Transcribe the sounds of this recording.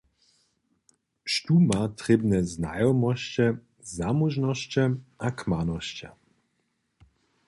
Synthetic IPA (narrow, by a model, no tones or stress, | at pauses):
ʃt̪umat̪ʁɛbnɛzna̰jɔmɔɕt͡ɕɛ | zamuʒnɔɕt͡ɕɛʔakmanɔɕt͡ɕa̰